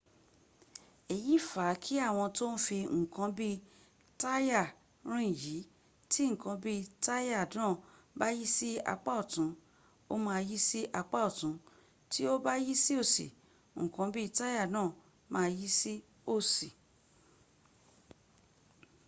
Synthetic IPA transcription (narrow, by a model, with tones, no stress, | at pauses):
e˨ji˨˦fa˨˦kʰi˦a˦˨w̃ɔ̃˧to˦n̩˦fi˧ŋ̩˨kã˨˧bi˦ | ta˦ja˦˨ | ɾ̃ĩ˦˨ji˨˦ | ti˦ŋ̩˨kã˧˦bi˦ta˦ja˦˨dãː˦˨ | ba˦ji˦si˦a̰˧k͡pa˦ɔ˦˨tũ˨˦ | o˦mã˧ji˦si˦ʔa˧k͡pa˦ɔ˨tũ˨˦ | ti˦o˦ba˦ji˦si˦o˦˨sḭ˨ | ŋ̩˨kã˨˦bi˦˧ta˦ja˦˨nãː˦˨ | mãː˦˧ji˦si˦ | o˦˨si˨